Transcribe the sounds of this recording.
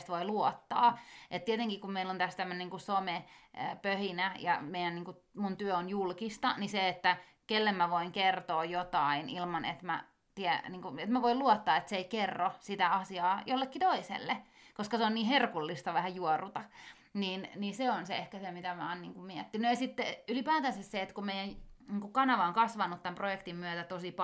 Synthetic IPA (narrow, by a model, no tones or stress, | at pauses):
st̪ʋoiluɔt̪ːɑːʔet̪t̪iet̪eŋkikummeilːont̪æst̪æmːøneniŋkusomepøhinæjɑ̰meijæniːŋkumunt̪yøonjulkist̪ɑniseet̪ːæ | kelːemmæʋoiŋkert̪oːjot̪ɑinilmɑnḛt̪mæ̰ | t̪iɛniːŋkuet̪mæʋoiluɔt̪ːɑːet̪seeikerːosit̪æɑsiɑːjolːekːit̪oisḛlːe | koskɑseonniːherkulːist̪ɑʋæhæjuɔrut̪ɑ | niːnniseonseehkæsemit̪æmæːnniːŋkummiɛt̪ːinːøjɑsit̪ːeylipæːt̪æsesseet̪kumeijæjniːŋkukɑnɑʋɑoŋkɑsʋɑnːˑut̪t̪ːæmprojekt̪immyøt̪æt̪osip